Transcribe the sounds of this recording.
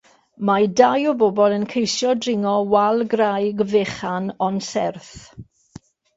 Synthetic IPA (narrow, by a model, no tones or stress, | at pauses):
madajɔbɔbɔlˠənkʰejsjɔdrɪŋɔwalˠɡrajɡveχanɔnsɛrθ